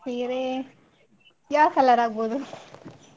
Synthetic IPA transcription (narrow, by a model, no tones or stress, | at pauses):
iːɾe | jaːkɛlːaɾaːɡ̚boːd̪u